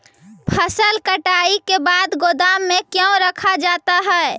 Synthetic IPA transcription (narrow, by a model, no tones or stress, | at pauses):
pʰəsəlkəʈaːikebaːd̪ɡod̪aːmːẽkjə̃ɾəkʰad͡ʒaːt̪aɦɛ